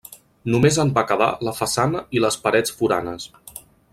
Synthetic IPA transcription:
numezəmbakəða̰ləfəsanəiləspəɾɛt͡sfuɾa̰nəs

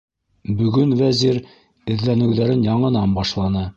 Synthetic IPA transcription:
bɵ̆ɡɵnvæziɾ | ɘ̆ðlænɘ̆wðæɾɘnjɑɴɤ̆nɑmbɑʃlˠɑnɤ

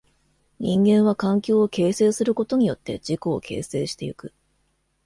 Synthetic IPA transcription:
ɲ̟ĩŋɡẽ̞ɰ̃β̞akãŋkʲo̞ːke̞ːse̞ːsɨɾɯ̟ko̞t̪o̞ɲ̟ijo̞t̪ːe̞̰d͡ʑiko̞ːkʰe̞̰ːse̞ːɕi̥t̪e̞jɯkɯ̟

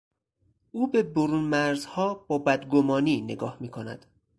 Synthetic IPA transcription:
ʔuːbe̞boɾunmæɾzhɒːb̥ɒːbæd̪ɡomɒːniːne̞ɡɒ̰ːhmiːkʰonæ̰d̪̥

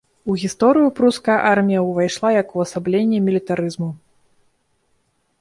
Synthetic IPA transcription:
uɣʲist̪ɔɾɨjupɾuskɐjɐʔarmʲijɐwvajʂlˠajɐkuɐsablʲenʲːimʲilʲit̪aɾɨzmu

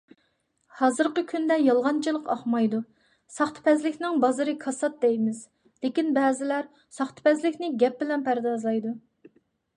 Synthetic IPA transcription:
hɑːzɨɾqəkʲʰynd̪ɛjɑlˠʁɑnt͡ʃʰɨlˠəqɑχmɑjd̪u | sɑχt̪ʰɨ̥pʰɛzlɪkʲnɪŋbɑzɨɾɨkʰɑsɑt̪̚d̪ɛjmɪz | lɪkʲinbɛːzɪlæɾ | sɑχt̪ʰɨ̥pɛzlɪkʲnɪɡʲɛp̚bɪlɛnpʰæɾd̪ɑzlˠɑjd̪u

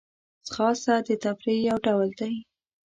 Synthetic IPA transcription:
sxɑsad̪ət̪apɾejawɖawəld̪aj

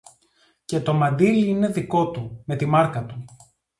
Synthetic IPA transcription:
ce̞t̪o̞mɐnd̪iliine̞ðiko̞t̪ume̞t̪imɐɾkɐt̪u

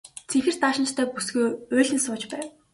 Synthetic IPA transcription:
t͡sʰexɘ̆rt̪aːʃɪ̆t͡ɕt̪ʰœːpusɡuːʊːɮʲɘ̆nsʊːt͡ɕpæːw

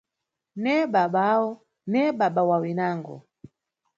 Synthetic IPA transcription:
nɛɓaɓawɔ | nɛɓaɓawawinaːŋɡɔ̰

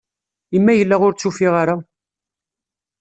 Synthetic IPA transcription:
imːæjəlːæʁʊɾt͡sːufiʁaɾa

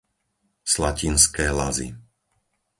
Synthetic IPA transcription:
slacinskɛːla̰zḭ

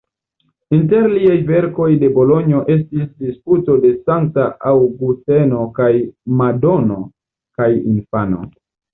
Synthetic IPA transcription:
inte̞ɾliajve̞ɾko̞jde̞bo̞lo̞ɲio̞ʔe̞s̬tisdisputo̞de̞saŋk̚taʔawɡuste̞no̞kajmado̞no̞ | kajḭnfano̞̰

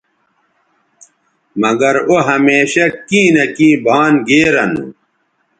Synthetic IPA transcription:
mɐɡɐɾoɦɐmeːɕɐkĩːnɐkĩːbʱaːnɡeːɾɐnṵ

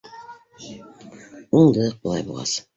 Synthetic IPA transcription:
uɴd̪ɤq̚bulˠɑ̰jbolˠʁɑ̰s

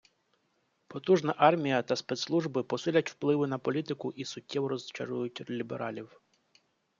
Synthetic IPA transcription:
pɔt̪uʒnɐʔɑrmʲijɐt̪ɐspɛt̪slˠuʒbɪpɔsɪlʲɐtʲwplˠɪʋɪnɐpɔlʲit̪ɪkʊʔisʊtʲːɛwɾɔzt͡ʃɐ̰ɾujʊtʲlʲibḛɾʔɑ̰lʲiw

